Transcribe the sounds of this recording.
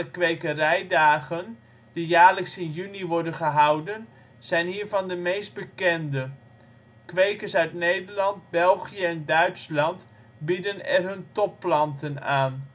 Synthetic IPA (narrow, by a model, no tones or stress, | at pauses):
əkʋejkərɛjdaːχən | d̥ijaːɹləksɪnjyniʋɔɹdənχəɦɑwdən | z̥ɛjnɦiːɹvɑndəmejsd̚bəkɛndə | kʋejkəsœɥtnejdəɹlɑnt̚bɛlˠχijəɛndœɥtslɑnt | bidənɛ̰rɦɵntɔpːlɑntənaːn